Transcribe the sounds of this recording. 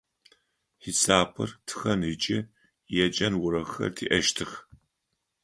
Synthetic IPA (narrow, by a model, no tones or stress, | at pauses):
ħisaːpʰɨrtʰɨ̥xɐnɨt͡ʃʼɪ | jɛt͡ʃʼɐnwʊɾɐxɐ̰rtʰḭːʔɐʃtʰɨx